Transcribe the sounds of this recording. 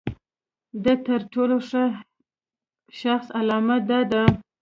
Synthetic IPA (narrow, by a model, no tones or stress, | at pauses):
d̪ət̪əɾʈoloʂə | ʃaxsalɑmad̪ɑd̪a